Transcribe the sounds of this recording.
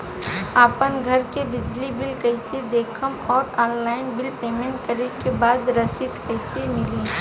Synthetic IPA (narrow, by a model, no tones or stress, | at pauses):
aːpənɡʱɐɾkebɪd͡ʒlibɪlkɐɪsed̪eːkʰəmɔːɾɔːnlaːɪnbɪlpeːmẽːɳʈkɐɾekebaːd̪ɾɐsɪt̪kɐɪsemɪliː